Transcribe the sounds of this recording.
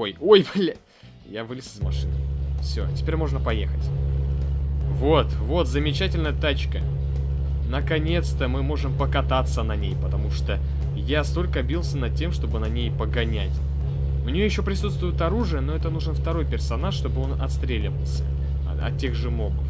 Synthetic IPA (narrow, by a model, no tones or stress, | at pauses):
ojojbalʲ | javɨlʲɪsʲɨzmɐʂɨnɨfsʲo̰tʲɪ̥pʲeɾʲmo̞ʐnəpɐjḛxətʲ | vo̞t̪vo̞t̪zəmʲɪt͡ɕætʲɪlʲnəjət̪at͡ɕkə | nəkɐnʲe̞t̪st̪əmɨmo̞ʐɨmpəkɐt̪at̪sːənɐnʲejpət̪ɐmuʂt̪o | jast̪o̞lʲkəbʲilˠsʲənɐd̪̚tʲːe̞mʂt̪o̞bɨnɐnʲejpəɡɐnʲæ̰tʲ | mnʲɪjojɪɕːo̞pɾʲɪsut̪st̪vʊjɪt̪ɐɾuʐɨjəno̞ɛt̪ənuʐɨnft̪ɐɾo̞jpʲɪrsɐnaʂt̪o̞bɨo̞nɐt̪st̪ɾʲelʲɪvəlˠsʲə̰ | ɐ̰t̪̚tʲːe̞ɣʐɨmo̞bəf